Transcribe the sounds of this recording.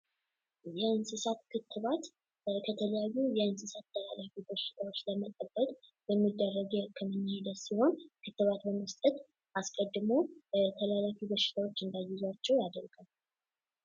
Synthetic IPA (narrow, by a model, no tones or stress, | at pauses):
jɛɨnsɨsat̪kʰɨt̪ʰːɨβat̪ | kʰət̪ʰələjajːujɛɨnsɨsat̪ʰːəlalafibəʃɪ̥t̪ʰawot͡ʃːləmət̪ʼəbːət̪ʼ | bəmːid̪ːərːəɡɛkʰəmːɨnːhed̪əsiho̞nkʰɨt̪ːɨβat̪bəməst̪ʼət̪ʼ | ʔaskʼəd̪ːɨmot̪ʰəlalafibəʃɪ̥t̪ʰawo̞t͡ʃːɨnd̪ajːɪzwat͡ʃːɛwjad̪əɾɡ̥əm